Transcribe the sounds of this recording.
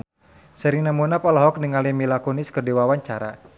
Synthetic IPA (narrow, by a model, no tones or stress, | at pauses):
səɾiŋnamunapalɔɦɔk̚niŋalimilakɔnɪskərdiwawaɲt͡ʃaɾa